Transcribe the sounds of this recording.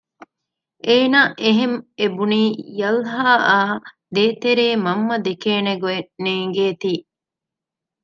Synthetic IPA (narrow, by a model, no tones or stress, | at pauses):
ʔeːnaːʔeɦemebuniːjɐlɦaːʔaː | d̪eːt̪eɾeːmɐmːɐd̪ekeːneɡueneːŋɡeːt̪iː